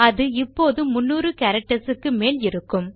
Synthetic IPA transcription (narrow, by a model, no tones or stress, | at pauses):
ɐðɯɪpːoːðɯmʊnːuːɾɯkɐːɾɐk̚ʈɐsɯkːɯmeːlɪɾɯkːɯm